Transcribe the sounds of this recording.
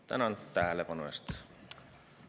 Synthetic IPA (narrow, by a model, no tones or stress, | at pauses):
t̪æ̰nɑlt̪ːæɦælepɑnuest̪